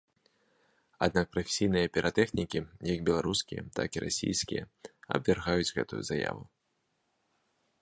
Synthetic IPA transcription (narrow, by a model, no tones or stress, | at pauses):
ad̪̚nak̚pɾɐfʲe̥sʲijnɨjɐpʲiɾʔat̪ɛxnʲikʲijɐɡbʲɛlˠaɾuskʲijɐ̰t̪akiɾʔasʲḭjskʲijɐɐ̰bvʲarɣajud͡zʲɣɛ̰t̪ujṵzaja̰vu